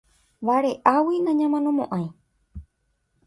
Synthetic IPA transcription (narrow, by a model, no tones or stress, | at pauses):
βaɾeʔawinãɲãmãnõmõʔãj̃